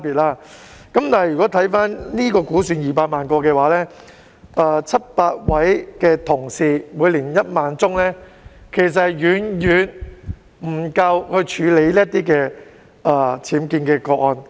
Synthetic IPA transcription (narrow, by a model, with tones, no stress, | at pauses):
piː˨˩t̚laː˥kɐ˨˥mt̪aː˨hjy˨˩kɔː˨˥t̪ʰɐ˨˥jfaː˥nliː˥kɔː˧kuː˨˥syː˨˧njiː˨˩paː˧t̚maː˨nkɔː˧kɛː˧waː˨˥lɛː˥ | ʔɐː˧t͡sʰɐ˥t̚paː˧t̚wɐ˨˥jkɛː˧t̪ʰʊ˨˩ŋsiː˧muː˨˧jliː˨˩njɐ˥t̚maː˨˧nt͡sʊ˥ŋlɛː˥kʰe˨˩js̬ɐ˨tjyː˨˥njyː˨n | m̩˨˩kɐ˧whɵ˧t͡ʃʰyː˨˧le˨˥jliː˥t̪̚iː˥kɛː˧ | ʔaː˨˩t͡sʰiː˨˥mkiː˧nkɛː˧kɔː˧kɔː˧n